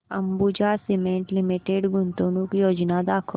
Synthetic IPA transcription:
ɐmbud͡ʒasɪmẽɳʈlɪmiʈeɖɡʊnt̪oːnũkijoːd͡ʒnad̪aːkʰə

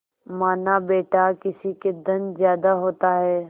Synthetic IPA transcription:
maːnabeːʈakɪsiked̪ɐnzjaːd̪aɦoːt̪aɦɛː

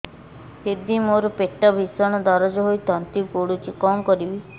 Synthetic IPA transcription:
hiɾd̪imoɾɔpeʈːɔbʱisɔɽ̃ɔd̪ɔɾɔd͡ʒɔɦojt̪ɔnt̪ikoɽut͡ʃʰikɔmkɔɾibi

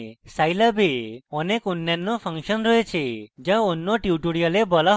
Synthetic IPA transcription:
sajlabeɔnekunːanːɔpʰaŋʃɔnɾɔet͡ʃʰed͡ʒaonːɔʈjiuʈuɽijalebɔla

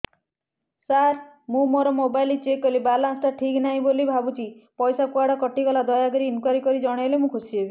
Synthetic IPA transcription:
saɾ | mũmoɾɔmobajlit͡ʃekɔlibalanst̪aʈʰiknaɦĩbolibʱabut͡ʃipɔjsakuaɽɔkɔʈikɔlad̪ɔjaɡɔɾiːnkwaɾikɔɾid͡ʒɔɽ̃ɔelemũkʰosiɦebi

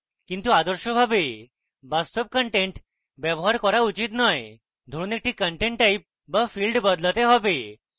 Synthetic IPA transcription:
kĩnt̪uad̪əɾɕɔbʱabe | bast̪ɔp̚kəɳʈẽɳʈ | bjɛbɔɦaɾkɔɾaut͡ɕit̪naj | d̪ʱoɾuːnek̚ʈikəɳʈẽɳʈʈːaip̚ | bəfilɖbəd̪lət̪eɦɔbe

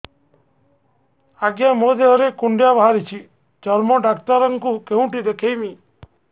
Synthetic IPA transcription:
aɡjamod̪ʱeɦɔɾekuɳɖjabʱaɾit͡ʃʰi | d͡ʒɔɾmɔɖakt̪aɾɔŋkukeɦũʈid̪ekʰejmi

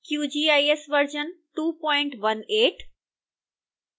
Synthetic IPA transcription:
kjuːd͡ʑiːaːjesʋɐɾd͡ʑənʈuːpɔ̃ːɪ̃ɳʈʋɐneːʈ

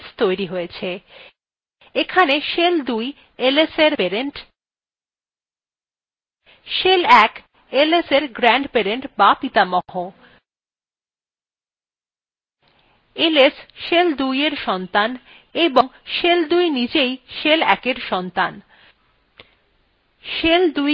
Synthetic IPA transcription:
st̪ojɾiɦojet͡ɕʰe | ekʰaneʃeld̪uj | eleseɾpeɾeɳʈ | ʃelɛk | eleseɾɡɾɛɳɖpeɾeɳʈbapit̪amɔɦo | elesʃeld̪ujeɾʃɔnt̪an | eboŋʃeld̪ujnid͡ʑejʃelɛ̰keɾʃɔnt̪an | ʃeld̪uj

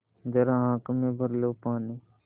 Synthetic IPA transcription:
d͡ʒɐɾãɦãːkmẽːbʱəɾloːpaːniː

